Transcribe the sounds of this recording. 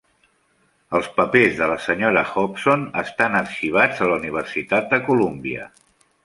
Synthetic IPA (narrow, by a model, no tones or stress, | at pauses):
əlˠspəpezðələsəɲoɾəxɔpsonəst̪anəkʃiβ̞ad͡zələuniβ̞ərsit̪at̪̚d̪əkulumbiə̰